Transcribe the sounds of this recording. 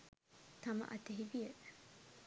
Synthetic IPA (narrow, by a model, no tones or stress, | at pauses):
t̪ɐmɐ̰ʔɐt̪eɦibijeʔ